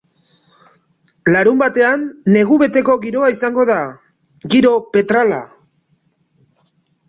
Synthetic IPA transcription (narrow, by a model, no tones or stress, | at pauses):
laɾumbat̪e̞anːe̞ɣ̞uβe̞t̪e̞ko̞ɣiɾo̞aisaŋɡo̞ð̞a | ɣiɾo̞pe̞t̪ɾala̰